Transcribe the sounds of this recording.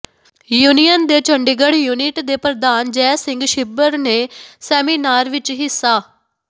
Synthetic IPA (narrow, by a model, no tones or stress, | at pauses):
juːnijənd̪eːt͡ʃəɳɖiɡəɽjuːnɪʈd̪eːpɾəd̪aːnd͡ʒɛːsɪ̃ŋɡʃɪbəɾneːsɛːmiːnaːɾʋɪt͡ʃɦɪsːaː